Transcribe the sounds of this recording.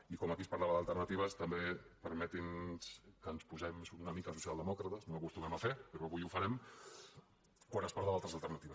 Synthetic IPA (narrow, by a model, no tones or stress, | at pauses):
ikɔmakispaɾlaβəðəlˠt̪ərnət̪iβ̞əst̪əmbepəɾmɛt̪inskənspuzɛmsunəmikas̬usijalˠd̪əmɔkɾət̪əsnoɐkust̪umɛmafepəɾoaβujufɐɾɛm | kwanəspaɾðaalˠt̪ɾəzalˠt̪əɾnat̪iβəs